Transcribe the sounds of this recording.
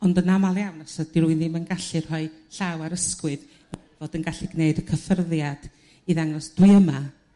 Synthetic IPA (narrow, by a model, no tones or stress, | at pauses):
ɔndənamalˠjawnasad̥iɾuɨnimənɡaɬɨrhɔɨ | ɬawaɾəskwɨð | vodənɡaɬiɡneɨdəkʰəfərðjad̥ | iðaŋɔsd̥wɨəma